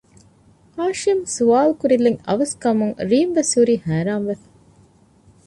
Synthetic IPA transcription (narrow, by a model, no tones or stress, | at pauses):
haːʃimsuʋaːlkuɾilːeŋɐ̰ʋɐskɐmuŋɾiːmʋesuɾiːhæːɾaːmʋefɐ̥